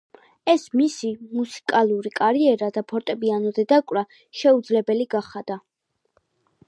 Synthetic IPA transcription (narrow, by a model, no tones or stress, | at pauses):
ɛsmisimusi̥kʼalˠuɾikʼaɾiɛɾad̪apʰɔɾt̪ʼɛbianɔd̪ɛd̪akʼwɾa | ʃɛud̪zlɛbɛliɡaχad̪a